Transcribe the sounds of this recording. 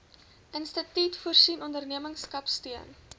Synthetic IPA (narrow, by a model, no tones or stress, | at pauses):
ʔənstətitfuərsinɔndərniəməŋskɐpstyən